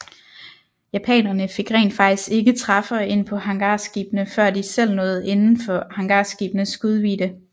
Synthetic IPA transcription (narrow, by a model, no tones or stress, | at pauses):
jæpʰɛ̰ːnɐnəfe̝ɡ̥ʁɛ̰ːnd̥fɑ̈ɡ̥̚d̥isɡ̥e̝ɡ̥ət͡sʰʁɑ̈fɐɒe̝n̰pʰɒ̽hɑ̈ŋɡ̥ɑ̈sɡ̥iːb̥nəfɶɐ̰d̥isel̰nɔ̽ːð̞̩ˠe̝nn̩fɒ̽hɑ̈ŋɡ̥ɑ̰̈ːsɡ̥ḭːb̥nəsɡ̥uð̞ˠʋḭːd̥ə